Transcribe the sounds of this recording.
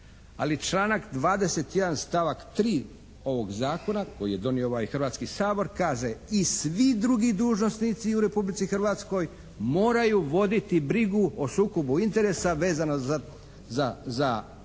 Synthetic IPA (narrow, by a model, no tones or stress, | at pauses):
a̰lit͡ʃlˠaːnakd̪ʋaːd̪e̞se̞t̪je̞d̪anst̪aʋakt̪ɾiː | o̞ʋo̞ɡzaːko̞nako̞jḭje̞d̪o̞niooajxr̩ʋaːt̪skisaːbo̞ɾkaːʒeisʋid̪ɾuɡid̪uːʒno̞snit̪siuɾe̞publit̪sixr̩ʋat̪sko̞j | mo̞ːɾajuʋo̞d̪it̪ibɾiɡuosuːko̞buint̪e̞ɾe̞saʋe̞ːzano | zaza